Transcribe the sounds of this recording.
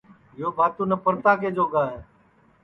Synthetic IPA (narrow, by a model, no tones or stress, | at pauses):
ɪjoːbʱaːt̪uːnəpəɾt̪aːkeːd͡ʒoːɡãːɦeː